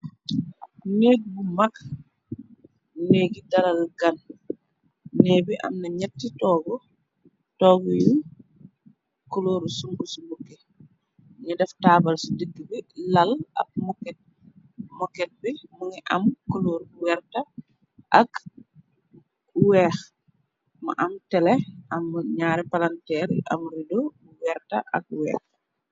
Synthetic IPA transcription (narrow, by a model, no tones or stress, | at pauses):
nek̚bumak | neːɡidɐlɐlɡɐn | neːbiʔɐ̰mnɐɲɛtːitɔːɡɔ | tɔːɡɔju | koloːɾsuŋbusumbukːe | ɲɐdɛftaːbɐlsudəɡːəbilɐlɐ̰k̚mɔkɛt̚ | mɔkːɛt̚bimuŋiʔɐ̰mkoloːɾwɛrtɐ | ʔɐk | wɛːx | mɐ̰ʔɐmtɛlɛɐmːɲaːɾɛpalantɛːɾʔɐ̰mɾido | wɛɾtɐ̰ʔɐ̰k̚wɛ̰ːx